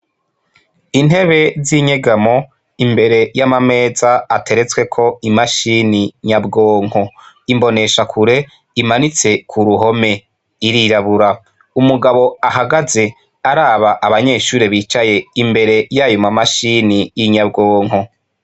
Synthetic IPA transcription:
in̥e̞βe̞ziɲeɡamo̞ | imbe̞ɾe̞jamame̞ːzaːtʰe̞ɾe̞t͡swe̞kʰo̞imaʃiniɲabɡo̞ːŋ̥o̞ | imbo̞ne̞ʃakʰuɾe̞ | imanit͡se̞kʰuɾuɦo̞me̞ | iɾiɾaβuɾa | umuɡaβo̞aɦaɡaze̞ | aɾaːβaʔaβaɲe̞ːʃuːɾiβiːt͡ʃaje̞imbe̞ɾe̞jaːjumamaʃinijiɲabɡoːŋ̥ɦo̞

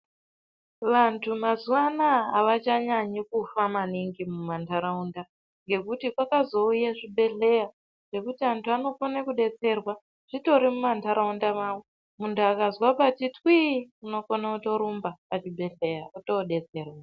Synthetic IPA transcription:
ʋantʰumazuwanaːʋat͡ʃaɲaɲikufamaniŋɡimumantʰaɾaunda | ŋɡe̞kutikwakazo̞ujaʐibʱe̞ɬe̞ja | ʐ̥e̞kutiantʰuano̞fonekuɗe̞t͡se̞rwa | ʐ̥ito̞ɾimumantʰaɾaundamaːwo | muntʰuakazwapatitwiuno̞konauto̞ɾumbapat͡ʃibʱe̞ɬe̞jakutoɗe̞t͡se̞ːrwa

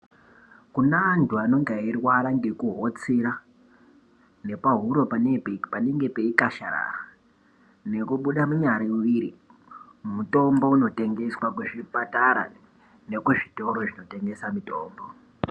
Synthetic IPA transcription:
kunaːntuano̞ŋɡeirwaɾaŋɡekuɦot͡siɾa | ne̞paɦuɾo̞paneppaneŋɡe̞pe̞ikaʃa̰ɾa̰ra | ne̞kuɓuɗamuɲaɾamuʋiɾi | muto̞mbo̞uno̞te̞ŋɡe̞swakuʐipataɾa̰ | ne̞kuʐito̞ɾoʐino̞te̞ŋɡe̞samitoːmbo̞

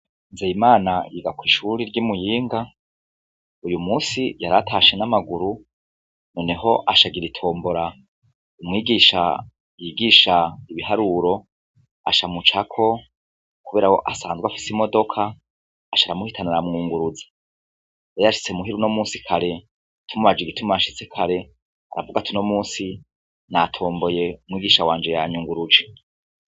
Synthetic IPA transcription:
nzeimaːnajiɡakwiːʃuɾiɾɟimujiːŋɡa | ujumuːsijaɾatʰaʃenamaɡuɾu | no̞ːne̞ɦo̞ʔaʃaɡiɾitʰo̞ːmboɾa | umŋiːɡiːʃa̰ | jiːɡiːʃaiβiɦaɾuɾo̞ | a̰ʃamut͡ʃakʰo̞ | kuβeːɾaho̞ʔasaːnzɡwafi̥simo̞do̞kʰaː | ʃaɾamuhitʰanaɾamŋuːŋɡuɾud͡zḁ | jejaʃi̥t͡semuɦiɾuno̞muːsi̥kʰaɾe̞ | tʰumuβad͡ʒiɡitʰumaʃit͡sekʰaɾe̞ | a̰ɾa̰vuɡatʰuno̞muːsi | natʰo̞ːmbo̞je̞umŋiːɡiʃawaːnd͡ʒe̞jaɲuːŋɡuɾud͡ʒe

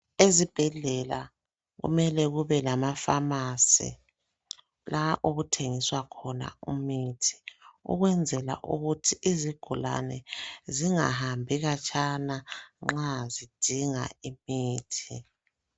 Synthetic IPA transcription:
ezib̥ʱɛɮɛla | ɣṵmɛlɛɣuβɛlamafamasḭ | lʔaʔoɣutʰeŋiswakʰɔna̰umitʰi̥ṵɣwɛnd͡zʱɛla̰ʔṵɣutʰiʔiziɡ̥ʱula̰nɛziŋa̰ɦambʱiɣat͡ʃʰʼanaŋ͡ǁazid̥ʱiŋa̰imiːtʰi

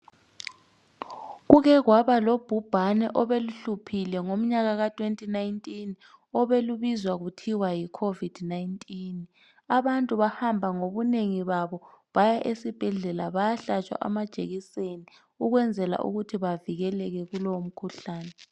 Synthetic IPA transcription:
ɣuɣɛɣwaβalob̥ʱub̥ʱanɛʔɔβeluɬupʰilɛŋom̩ɲaɣaɣatʰʼwentʼinajntʼin | ɔβeluβizwaɣutʰiwajikʰovid̥najintʼin | aβantʼuβahambʱaŋoβuneŋiβaβɔβajaʔesib̥ʱɛɮɛlaβajaɬat͡ʃʼwa̰ʔa̰mad̥ʒ̥ʱḛɣiseni | uɣwɛnd͡zʱɛla̰ʔṵɣutʰiβaviɣɛlɛɣɛɣulom̩kʰuɬaːnɛ

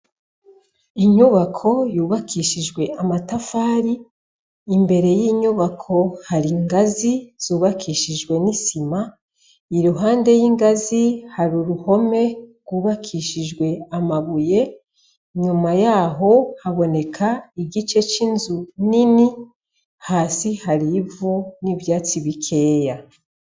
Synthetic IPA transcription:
iɲuβakʰo̞juːβakʰiʃiʒɡwe̞amatafaːɾiː | mbe̞ɾe̞jiːɲuβakʰo̞haɾiŋɡaziz̥uːβakʰiʃiʒɡwe̞nisima | iɾuɦaːnde̞jiːŋɡazihaɾuɾuho̞me̞ɡwuːβakʰiʃiʒɡwe̞amaβuje̞ | ɲumajaːɦo̞haβo̞ne̞kʰaiɡit͡ʃe̞t͡ʃinzunini | haːsihaɾivuniβjaːt͡siβikʰe̞ːja

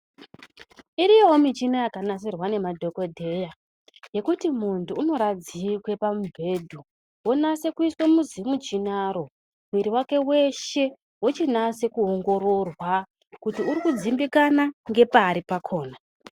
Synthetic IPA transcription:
iɾijomit͡ʃinajakanas̬irwane̞madʱo̞ko̞dʱe̞ja | je̞kutimuntuːno̞ɾad͡zikwe̞pamubʱe̞ːdʱu | wonase̞kuiswemuzimut͡ʃinaɾo̞ | mwiɾiwake̞we̞ʃe̞ | wot͡ʃinase̞kuɦoŋɡo̞ɾo̞rwa | kutiuɾikud͡zimbikanaŋɡe̞paːɾipakʰo̞ːna

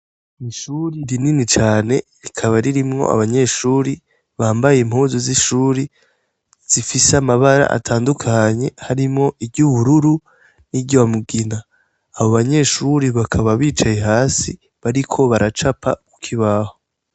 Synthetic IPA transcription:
iʃuɾiɾininit͡ʃaːne̞ɾikʰaβaɾiɾimŋo̞̰ʔa̰βaɲe̞ʃuːɾi | βaːmbajem̥huːzoziʃuːɾi | z̥ifisamaβaɾa̰ʔa̰tʰaːndukʰaɲe̞haɾimŋo̞ʔibɟuβuɾuɾu | niɟowamuɡinaː | βoβaɲe̞ʃuɾiβakʰaβaβiːt͡ʃajeɦaːsi | βaɾikʰo̞βaɾat͡ʃapʰa̰ku̥kʰiβaːho

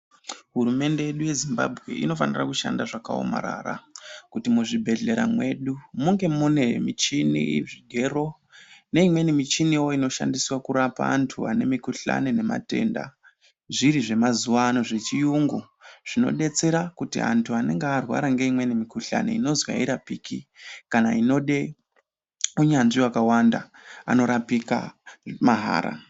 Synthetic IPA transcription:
ɦuɾume̞nde̞je̞ɗuje̞zimba̰bʱɣe̞̰ʔḭno̞fanirakuʃa̰ndaʐakao̞̰ma̰ɾa̰ra̰kutimuʐibʱe̞ɮe̞ɾa̰mwe̞ɗumuŋɡe̞mune̞mit͡ʃinḭʐiɡʱe̞ro̞ | ne̞imwe̞nimit͡ʃiniwo̞ino̞ʃa̰ndiswakuɾapa̰ːntʰuane̞mikuɬa̰nene̞ma̰te̞ːnda̰ | ʐiɾiʐe̞mazuwaːno̞ʐe̞t͡ʃijuŋɡu | ʐ̥ino̞̰ɗe̞t͡se̞ɾakutḭa̰ntʰuane̞̰ŋɡearwa̰ɾaŋɡe̞imwe̞nimikuɬa̰nḛino̞zwa̰iɾapiːkikanaino̞ɗe̞ | uɲanʐiwakawanda | a̰no̞ɾapika̰maɦa̰ːɾa̰

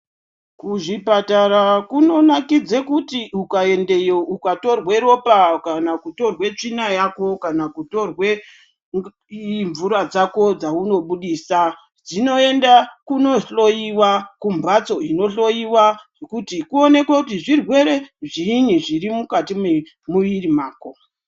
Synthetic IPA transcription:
kuʐipataɾakuno̞nakid͡zekutiukae̞nde̞joʔukato̞rwe̞ɾo̞pakanakuto̞rwe̞t͡ʂinajako̞kanakuto̞rwe | ɱvuɾad͡zako̞d͡zauno̞ɓuɗiːsa | d͡zino̞endakuno̞ɬo̞jiwakumbat͡so̞ino̞ɬo̞jiwaʐokutikuo̞ne̞kwakutiʐirwe̞ɾe̞ʐiniʐirimukatime | muʋirimaːko

